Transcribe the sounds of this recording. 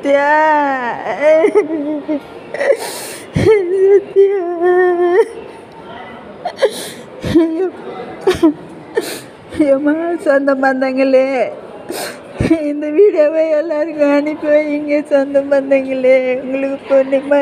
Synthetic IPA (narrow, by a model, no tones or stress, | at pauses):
t̪ːɪjaː | sɐt̪ːɪja | omasɐnd̪ɐmbɐnd̪ɐŋɡɐɭe | ɪnd̪ɐʋiːɽɪjoʋeːɛlːaːɪɾɯŋɡɐ̃ɐnɪpːoɪŋɡeːsɔnd̪ɐmbɐnd̪ɐŋɡɐɭeʊŋɡɐɭɯkːɯponːemaː